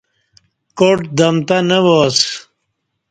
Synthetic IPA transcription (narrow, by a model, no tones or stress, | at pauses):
koʈd̪ɐmt̪anəwos